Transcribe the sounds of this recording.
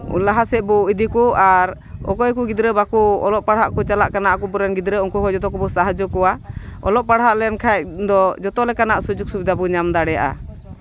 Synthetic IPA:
ṵlaɦasɛbɔid̪ikuaɾ | ɔ̰kɔjkuɡid̪ɾəbakuɔ̰lɔʔpaɽɦaʔkut͡ʃalaʔkanaʔkubɔɾɛnɡid̪ɾəuŋkɔɦɔd͡ʒɔt̪̬ɔkɔbɔsaɦad͡ʒɔkɔwaɔ̰lɔʔpaɽɦaʔlɛjankʰad̪ɔd͡ʒɔt̪ɔlɛkanaʔsud͡ʒuk̚subid̪abɔɲamd̪aɽɛja̰ʔa̰

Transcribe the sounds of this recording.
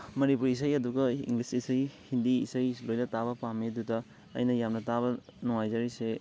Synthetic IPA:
mɐnipuɾisɐjɐduɡɐḭŋɡlisisɐjhindiḭsɐjlojnɐtabɐpamedutɐ | ɐ̰jnɐjamnɐtaβɐnɔŋajd͡ʒaɾise

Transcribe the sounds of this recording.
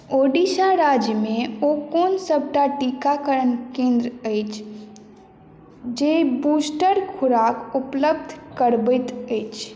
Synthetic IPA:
oːɖisaɾaːd͡ʒjəmẽokoːnsəb̚ʱʈaʈikakəɾənkẽnd̪ɾəəɪt͡ʃʰ | d͡ʒebuːsʈəɾkʰʊɾaːkʊpləbd̪ʱkəɾbət̪əjt͡ʃʰ

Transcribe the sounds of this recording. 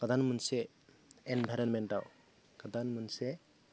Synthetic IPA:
kad̪anmunse | enbʱajɾɔnmentaw | kad̪anmunse

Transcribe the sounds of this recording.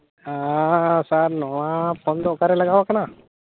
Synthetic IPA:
asaɾnɔʋapʰɔnd̪okaɾelɐɡaʋakana

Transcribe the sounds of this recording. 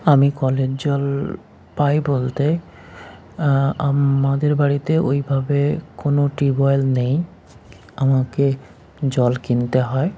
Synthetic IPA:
amikɔled͡ʑd͡ʑɔl | pajbolt̪e | aad̪eɾbaɽit̪eʔojbʱabekonoʈibɔjlnej | amake | d͡ʑɔlkint̪eɦɔe

